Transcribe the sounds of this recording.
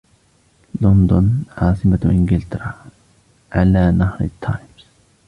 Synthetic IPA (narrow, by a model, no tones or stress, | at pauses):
lɔnd̪ɔnʕaːsimat̪ʊʔɪ̃ŋɡɪlt̪ɾa | ʕalaːnahɾɪt̪ʰːajms